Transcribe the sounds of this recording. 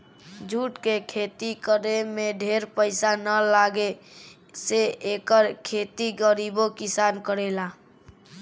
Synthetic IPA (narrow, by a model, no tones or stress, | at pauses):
d͡ʒʱuʈkekʰet̪ikəɾemeɖʱeɾpəɪsanəlaɡe | seekəɾkʰet̪iɡəɾibokisankəɾela